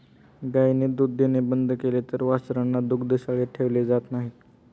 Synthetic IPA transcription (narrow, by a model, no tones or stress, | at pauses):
ɡajned̪ud̪ʱːenebənd̪ʱkelet̪əɾʋasɾənːad̪ukd̪əɕaɭeʈʰeʋled͡zat̪naɦit̪